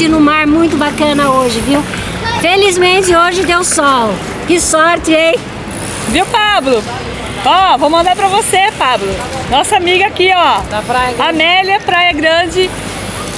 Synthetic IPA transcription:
ɪnʊmaɾmũj̃t̪ʊbakɐ̃nɐoʒɪviw | felizmẽnt͡ʃɪoʒɪd̪ewsɔw | kɪsɔɾt͡ʃɪej | viwpablʊ | ɔvɐ̃mʊmɐ̃d̪aɾpɾɐvosepablʊ | nɔsɐamiɡɐakiɔapɾajɐɐmɛlɐpɾajɐɡɾɐ̃d͡ʒɪ

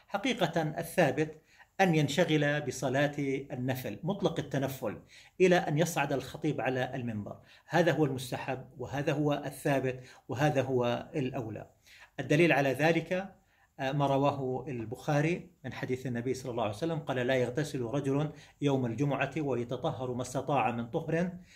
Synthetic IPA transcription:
ħaqiːqaʔa̰θːaːbɪt̪ | ʔanjanʃaɣɪlabɪsˤɑlɑːt̪ʔanːaflmʊt̪ˤlɑqat̪ːanafːʊlʔɪlaʔanjɑsˤʕad̪alxɑt̪ˤiːbʕalaʔalmɪmbɑ̰ɾˤ | haːðaɦʊwːalmʊst̪aħabːwɪɦaːðaɦʊwaʔaθːaːbɪt̪wɪɦaːðaɦʊwaalʔawla̰ | ʔad̪ːaliːlʕalaðaːlɪka | maːɾˤɑwaːɦʊalbʊxaːɾimɪnħad̪iːθanːabijːsˤɑlːɑlːɑːʕajsalːamqɑːlalajaɣt̪asɪlɾˤɑd͡ʒʊljawmald͡ʒʊmʊʕawajɑt̪ɑt̪ˤɑɦːɑɾˤmast̪ɑt̪ˤɑːʕamɪnt̪ˤʊhɾɪn

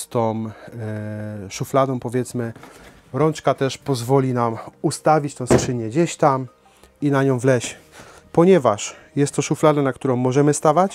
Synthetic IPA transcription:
st̪ɔ̃ | ʂuflad̪ɔ̃w̃pɔvʲjɛt̪smɘ | ɾɔnt͡ʂkat̪ɛʂpɔzvɔlʲinamust̪avʲit͡ɕt̪ɛ̃w̃skʂɘɲɛɡd͡ʑeɕt̪am | inaɲɔ̃w̃vlɛɕ | pɔɲɛvaʂjɛst̪ːɔʂuflad̪ɛnakt̪uɾɔ̃w̃ːɔʐɛmɘst̪avat͡ɕ

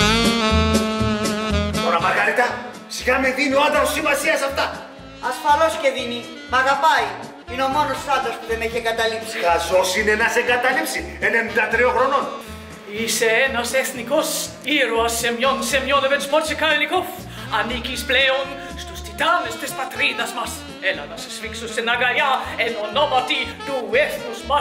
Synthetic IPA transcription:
t̪oɾɐmɐɾɣɐɾit̪ɐ | siɣameðinioat̪ɐɾosimɐsiɐsɐft̪ɐ | ɐsfɐlosceðini | mɐɣapɐj | ino̞monosθɐt̪ospuðemeçeɡɐt̪ɐlipsiazosinenɐseɡɐt̪ɐlipsienenid̪ɐt̪ɾioxɾonon | iseenaseθnikos | iɾoasemjonsemjɔnevenspɔt͡ʃekaelikof | anikispleon | st̪ost̪it̪anest̪espat̪ɾid̪asmas | enanase̥sfiksosenaɡajaenonomat̪it̪uɛθnusma

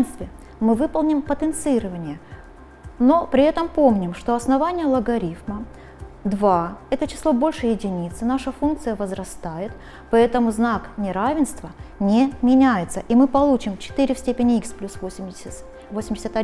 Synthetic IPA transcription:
nst̪vʲɪ | mɨvɨpəlˠnʲɪmpət̪ənt̪sɨɨɾəvənʲɪjə | no̞pɾʲɪɛt̪əmpomnʲɪmʂt̪o̞ɐsnɐvanʲɪjəlˠəɡɐɾʲifmə | d̪vaɛt̪ət͡ɕɪ̥slˠobo̞lʲʂɨjɪdʲɪnʲit̪sɨnaʂəfunk̚t̪sɨjəvəzɾɐst̪ajɪt̪ | pɐɛt̪əmʊznaknʲɪɾavʲɪnst̪vənʲemʲɪnʲæjɪt̪səʔimɨpɐlˠut͡ɕɪmt͡ɕɪ̥t̪ɨɾʲɪfsʲtʲepʲɪnʲɪiksplʲusvoɪm | vosʲɪmdʲɪsʲət̪ɐ

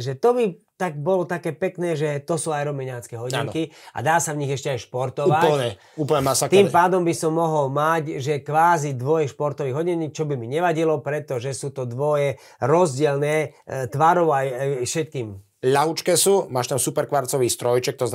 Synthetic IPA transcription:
ʒɛt̪ɔbi | t̪aɡ̚bɔlɔt̪akɛːpɛknɛːʒɛt̪ɔsuːajɾɔmɛɲaːt͡skɛɦɔɟiaŋkia̰d̪aːsavɲiɣɛʃcɛajʃpɔɾt̪ɔuʋaɲɛ | uːpl̩ɲɛmasakt̪iːmpaːd̪ɔmbisɔmːɔɦɔlmacʒɛkʋaːzid̪ʋɔjɛʃpɔɾt̪ɔʋiːɣɦɔɟɛɲiːk̚t͡ʃɔbimiɲɛʋaɟilɔpɾɛt̪ɔʒɛsuːt̪ɔd̪ʋɔjɛ | ɾɔzɟɪɛlnɛːt̪ʋaɾɔʊajjfʃɛt̪̚kiːm | ʎaɦut͡ʃkɛsuːmaːʃt̪amsupɛɾkʋaɾt͡sɔʋiːst̪ɾɔjt͡ʃɛk̚t̪ɔz

